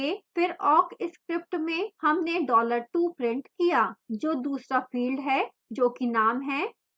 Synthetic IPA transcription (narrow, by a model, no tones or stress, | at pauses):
efɪɾɔːkɪskɾɪp̚ʈmẽhɐmneɖɔːləɾʈuːpɾɪ̃ɳʈkijaːd͡ʒoːd̪uːsɾafiːlɖɦɛː | d͡ʒoːkinaːmɦɛː